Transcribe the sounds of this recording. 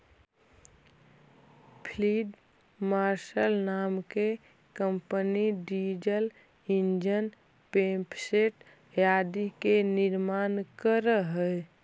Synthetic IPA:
pʰliɖ | maɾʃəlnaːmke | kəmpəniɖid͡ʒəl | ind͡ʒən | pẽmpseʈ | jad̪ikeniɾmaːnkəɾəɦə

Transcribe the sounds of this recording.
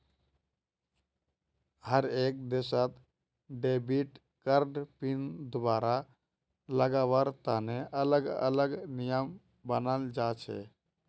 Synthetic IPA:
ɦəɾek̚d̪esət̪ | ɖebiʈ | kəɾɖpind̪obaɾa | ləɡawəɾt̪aneʔələɡə̰ləɡnijəm | bənəld͡ʒat͡ʃʰɛ̰

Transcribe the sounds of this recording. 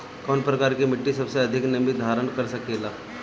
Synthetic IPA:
kɔːnpɾɐkaːɾkimɪʈːisɐbseɐd̪ʱɪknɐmid̪ʱaːɾəɳkɐɾsɐkeːlaː

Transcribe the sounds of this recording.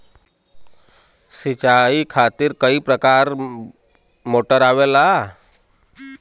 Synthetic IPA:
sit͡ʃaikʰaːt̪iɾkəipɾəkaːɾ | moːʈəɾaːʋela

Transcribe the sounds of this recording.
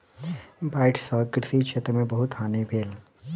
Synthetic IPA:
baːɪʈsɔːkɾɪt̪iʃʰeːt̪ɾəmẽbɐɦʊt̪aːnebʱeːl

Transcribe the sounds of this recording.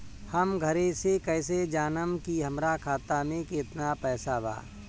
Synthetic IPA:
həmɡʱəɾesekɛːsed͡ʒaːnəmkiɦɐmɾakʰaːt̪amẽkɪt̪napɛːsaba̰ː

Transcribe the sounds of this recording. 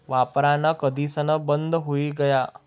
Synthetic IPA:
ʋapɾanakəd̪ʱiːsənəbənd̪ʱɦoiɡəja

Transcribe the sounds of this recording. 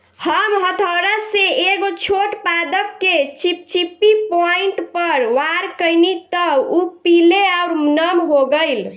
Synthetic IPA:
həmɦət̪ʰəɾəseeɡot͡ʃʰoʈpad̪əp̚ket͡ʃip̚t͡ʃipːipɔiɳʈpəɾwaɾkəjnit̪əupileauɾmnəmɦoɡəjl

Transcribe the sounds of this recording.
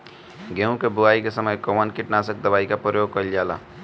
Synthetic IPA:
ɡẽũkebuaikesəməjkɔmankiʈnasək̚d̪əbaikapəjoɡ̚kʌiljala̰

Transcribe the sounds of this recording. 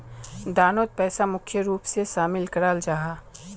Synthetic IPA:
d̪aːnoːt̪̚pɛːsamʊkʰjəɾuːpseʃaːmɪlkəɾaːld͡ʒaɦaː

